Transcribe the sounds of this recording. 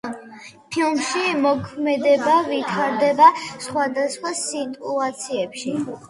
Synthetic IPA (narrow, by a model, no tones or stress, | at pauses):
pʰilˠmʃimɔkʰmɛd̪ɛbavit̪ʰaɾd̪ɛbasχwad̪asχwasit̪ʼuat̪sʰiɛpʃi